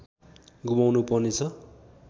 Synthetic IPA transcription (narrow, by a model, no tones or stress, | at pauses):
ɡumawnupʌrnet͡sʰʌ